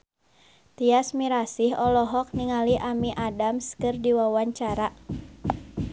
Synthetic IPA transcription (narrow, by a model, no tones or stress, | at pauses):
t̪iasmiɾasihɔlɔɦɔk̚niŋaliʔamiʔadamskɨrdiwawaɲt͡ʃaɾa